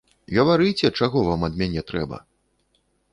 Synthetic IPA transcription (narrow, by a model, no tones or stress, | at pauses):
ɣɐvaɾɨjt͡sʲɛt͡ʂaɣɔvamɐd̪mʲanʲɛt̪ɾɛbɐ̰